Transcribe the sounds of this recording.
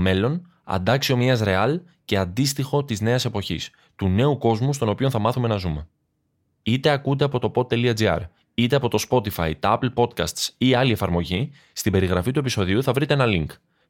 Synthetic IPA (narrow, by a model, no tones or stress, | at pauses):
me̞lo̞n | ɐ̰nd̪ɐksio̞miɐsɾe̞ɐl | ce̞ɐnd̪ist̪ixo̞t̪izne̞ɐse̞po̞çḭs | t̪une̞uko̞zmust̪o̞no̞pio̞nθɐmɐθume̞nɐzume̞ | it̪e̞ɐkud̪e̞ɐpo̞t̪o̞po̞t̪ːe̞liɐd͡ziɐ̰ɾ | it̪e̞ɐpo̞t̪o̞spo̞t̪ifɐ̰jit̪ɐɐplpo̞t̪kɐ̰st̪siɐlie̞fɐɾmo̞ʝi | st̪ibe̞ɾiɣɾɐfit̪ue̞piso̞ðiuθɐvɾit̪e̞enɐliŋk